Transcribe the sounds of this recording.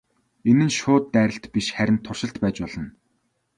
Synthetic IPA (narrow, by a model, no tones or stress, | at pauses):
enɘ̆nʃʊːt̪ːæːɾʲə̆ɬt̪piʃχæɾʲɪ̆nt̪ʰːʊrʃɪ̆ɬt̪pæːt͡ɕpɔɮ̥ɞ̆n